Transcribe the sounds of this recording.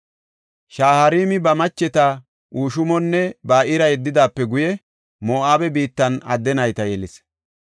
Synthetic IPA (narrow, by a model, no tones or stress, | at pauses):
ʃaːhɐɾiːmɪbɐmɐt͡ʃːɛt̪a | ʔuːʃʊmɔnːɛbaːʔɪɾɐjɛd̪ːɪd̪aːpːɛɡʊjɛ | moːʔaːbɛbiːt̪ːɐnɐ̰d̪ːɛnɐjt̪ɐjɛlɪs